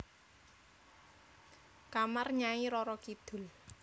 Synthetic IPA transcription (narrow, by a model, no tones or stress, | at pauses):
kamarɲaiɾɔɾɔkid̪̥ʊ̤l